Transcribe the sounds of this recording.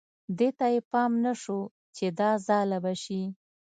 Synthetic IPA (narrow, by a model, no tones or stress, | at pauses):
d̪et̪ajepɑmnaʂo | t͡ʃed̪ɑzɑlabaʃi